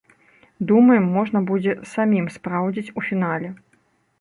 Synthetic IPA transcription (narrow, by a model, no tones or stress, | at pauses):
d̪umɐjɛmːɔʐnɐbud͡zʲɛsamʲimspɾawd͡zʲit͡sʲufʲinalʲɛ